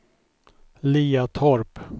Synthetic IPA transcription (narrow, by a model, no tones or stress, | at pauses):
liːat̪ʰɔɾp